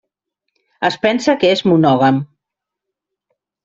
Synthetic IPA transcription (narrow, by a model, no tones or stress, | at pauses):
əspɛnsakəezmunɔɣam